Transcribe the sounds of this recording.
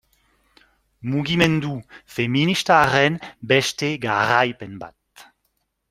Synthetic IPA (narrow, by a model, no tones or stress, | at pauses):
muɡimend̪ufeminist̪aʁɛnbɛʃt̪eɡaʁajpɛnba̰t̪̚